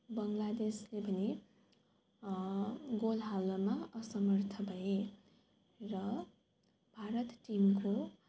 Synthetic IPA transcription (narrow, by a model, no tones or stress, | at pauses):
bʌŋlad̪eslebʱʌne | ɡolɦalʌmaʌsʌmʌrt̪ʰʌbʱʌe | rʌ | bʱaɾʌt̪ʈimko